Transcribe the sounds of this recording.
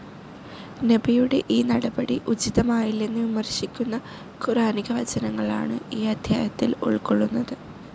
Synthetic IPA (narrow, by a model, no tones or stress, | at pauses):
nebijuɽe̞ʔiːnɐɽɐbɐɽiʔut͡ɕiðɐmaːjilːenːɨʋimɐrɕikʲːunːɐ | kuɾaːniɣɐʋɐd͡ʑɐnɐŋːɐɭa̰ːɳɨiːɐd̪ʱjaːjɐt̪ːilo̰ɭkoɭːunːɐðɨ